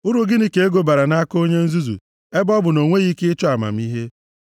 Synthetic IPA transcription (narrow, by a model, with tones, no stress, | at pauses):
ʊ˦ɾu˨ɡɪ˦ni˦ke˨˦e˦ɡo˨ba˨ɾa˨na˦a˦ko˦ɲe˦n̩˦zu˦zṵ˨ | e˦bɔ˦bʊ˨no˨ŋʷe˦ɣi˦kɪ˦t͡ʃɔ˦a˨ma̰˨m̩˦i˦ɦe˦